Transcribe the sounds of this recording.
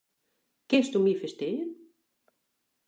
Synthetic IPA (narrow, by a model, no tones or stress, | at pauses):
kɪnstumifəstɪjən